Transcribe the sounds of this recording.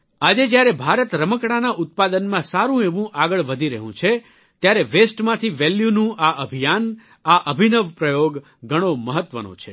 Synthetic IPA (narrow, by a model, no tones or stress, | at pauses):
ad͡ʒed͡ʒjaɾebʱaɾət̪ɾəməkɽanaʔʊt̪̚pad̪ənmãsaɾũeʋũʔaɡəɭʋəd̪ʱiɾəɦṵ̃t͡ʃʰe | t̪jaɾeʋesʈmãt̪ʰiʋɛljunũʔaʔəbʱijan | aʔəbʱinəʋpɾəjoɡ | ɡʱəɽ̃oməɦət̪ʋənõ̰t͡ʃʰe